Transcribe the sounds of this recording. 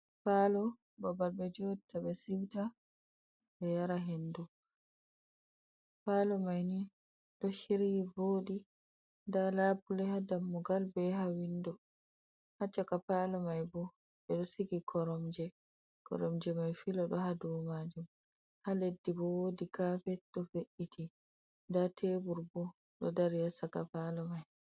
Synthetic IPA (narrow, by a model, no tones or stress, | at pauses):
paːlɔ | babalbɛd͡ʒɔtʰabɛsiwta | bɛjaɾaɦendu | paːlɔmajni | ɗɔʃiɾivoːdi | ndalabulɛhadamːuɡalbɛɦawindɔ | hat͡ʃːakapalɔmajbɔ | ɓɛɗɔsiɡikʰɔɾɔmd͡ʒɛ | kɔ̰ɾɔmd͡ʒɛmajfilɔɗɔhaduwmad͡ʒum | haledːibɔwodikafɛɗɔfeʔːitʰi | ndatʰeːbuɾbɔ | ɗɔ̰daɾjasakapalɔmaj